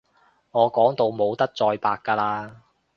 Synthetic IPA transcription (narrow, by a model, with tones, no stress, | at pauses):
ŋɔː˨˧kɔː˨˥ŋt̪o˨˧wmo˨˧wt̪ɐ˥k̚t͡sɔː˧jpaː˧kːaː˧laː˧